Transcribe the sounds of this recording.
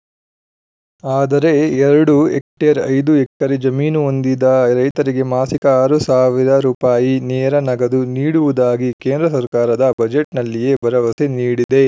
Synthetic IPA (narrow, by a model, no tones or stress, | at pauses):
aːd̪ɐɾe̞ɛɾɐɽuḛkʈeːɾɐ̰jd̪uɛkːɐɾid͡ʒɐmiːnuond̪id̪ɐɾɐjt̪ɐɾiɡe̞maːsikɐaːɾusaːʋiɾɐɾuːpaːjinɛːɾɐnɐɡɐd̪uniːɽuʋud̪aːɡikeːnd̪ɾɐsɐɾkaːɾɐd̪ɐbɐd͡ʒeʈnɐlːijebɐɾɐʋɐseniːɽid̪e̞